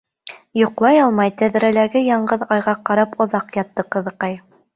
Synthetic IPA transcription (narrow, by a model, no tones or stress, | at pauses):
jŏqlˠɑjɑlˠmɑjt̪æðɾælæɡɘjɑɴɢɤðɑjʁɑqɑɾɑpŏðɑqjɑt̪ːɤqɤ̆ðɤ̆qɑj